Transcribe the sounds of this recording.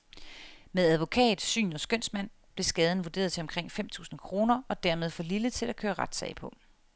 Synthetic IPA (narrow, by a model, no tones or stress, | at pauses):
meðˠæðˠʋo̝kʰɛ̰ːdð̥̩ˠsy̰ːnɒ̽sɡ̥øn̰smæn̰ | b̥le̝sɡ̥ɛːð̞ˠən̩ʋo̝d̥e̝̰ːɐð̞ˠt͡sʰe̝ɒ̽mkʰʁeŋ̰fem̰t͡sʰṵːsn̩kʰʁo̝ːnɐɒ̽d̥æɐ̰me̝ð̞ˠfɒ̽lilət͡sʰe̝lækʰøːɐʁɑ̈d̥sɛ̰ɪpʰɒ̽